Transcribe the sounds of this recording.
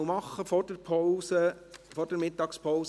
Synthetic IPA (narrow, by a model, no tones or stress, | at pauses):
wmɑχːəfɔd̥ɛɾpʰɔwsə | fɔrd̥ɛɾmɪt̪ːɑːkspʰows